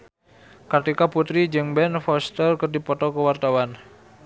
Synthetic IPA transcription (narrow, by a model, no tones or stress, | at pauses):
kat̪ikaput̪ɾid͡ʒɨŋbɛnfɔst̪ərkərdipɔt̪ɔkəwart̪awan